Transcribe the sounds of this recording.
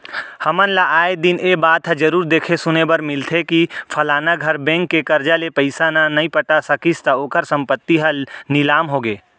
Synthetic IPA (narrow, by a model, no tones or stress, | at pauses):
hɐmənlaʔaːed̪ɪnebaːt̪ɦəd͡ʒɐɾuːɾd̪eːkʰesʊnebɐɾmɪlt̪ʰekipʰɐlaːnaɡʱɐɾbɛ̃ːŋkːekɐɾd͡ʒalepəɪsananɐĩpəʈasɐkist̪aoːkəɾsə̃mpət̪ːiɦɐlnɪlaːmɦoːɡeː